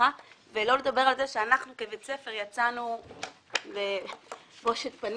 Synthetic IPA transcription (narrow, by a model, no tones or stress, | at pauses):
a | velo̞led̪abe̞ʁalze̞ʃeanaχnukebet͡se̞feʁjat͡sanu | lebo̞ʃet̪pan